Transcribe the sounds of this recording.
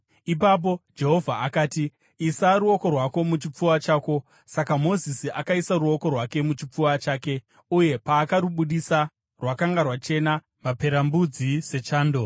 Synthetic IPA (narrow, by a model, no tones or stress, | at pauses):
ipap̬o̞d͡ʒe̞ɦo̞vʱaakaːtiː | saɾuo̞ko̞rwako̞mut͡ʃip͡fuwat͡ʃaːko̞ | sakamo̞zisiʔakaisaɾuo̞ko̞rwake̞mut͡ʃip͡fuwat͡ʃaːke̞ | uje̞paːkaɾuɓuɗisa | rwakaŋɡarwat͡ʃe̞na | mape̞ɾambud͡zise̞t͡ʃaːndo̞